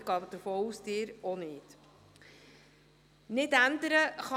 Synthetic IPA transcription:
ɡ̥ɑːd̥̪əɾfoːusd̪ɪːɾonɪt | nɪtænd̪əɾəχɑ

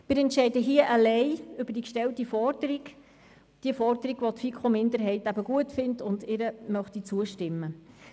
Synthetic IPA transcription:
mɪɾɛntʃɛɪdəɦiəʔalɛɪʏbəɾd̥ikʃtɛltifɔd̥əɾiɡ | d̥iəfɔɾdəɾiɡ̥ʋɔtfikχomɪndəɾɦɛɪtæbəɡuətfɪntʊndɪɾəmœχtit͡suəʃtɪmːə

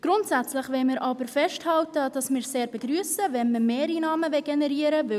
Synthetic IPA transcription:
ɡ̥ɾʊntsæt͡slɪχʋɛlmɪːɾʔɑb̥əɾfɛʃthɑltəd̥ɑsmɪːɾseːɾbeɡ̥ryːsəvɛnməmeːɾinɑːməvɛɡenɛɾiːəɾəvʏ

